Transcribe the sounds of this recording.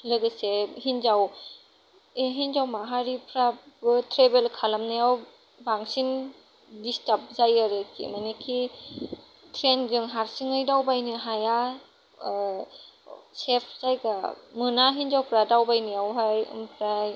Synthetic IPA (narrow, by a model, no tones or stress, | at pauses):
lɯɡɯsehinzaw | eɦinzawmaɦaɾipʰɾabɯtʰɾebelkʰalamnajaw | baŋsin | distap̚zajaɾɯkʰḭmanekʰi | tʰɾenzɯŋɦaɾsiŋɯjdawbajnɯɦaja | sepʰzajɡamɯnaɦinzawpʰɾadawbajnɯjawɦajɯ̰mpʰɾaj